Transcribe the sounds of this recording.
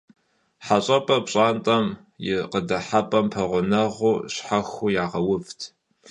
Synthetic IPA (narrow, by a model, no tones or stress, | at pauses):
ħaɕʼɐpʼɐpɕʼaːntʼɐm | jɪqədɐħapʼɐmpʰɐʁʷʊnɐʁuːɕħaxujaːʁɐwʊvtʰ